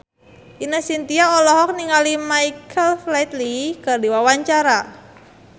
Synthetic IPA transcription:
ʔinəhsint̪iaɔlɔɦɔk̚niŋalimajkʰəlflɛt̪likərdiwawaɲt͡ʃaɾa

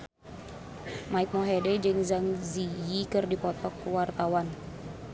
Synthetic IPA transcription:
maik̚mɔɦedɛd͡ʒɨŋzaŋzijikɨrdipɔt̪ɔkːuwart̪awan

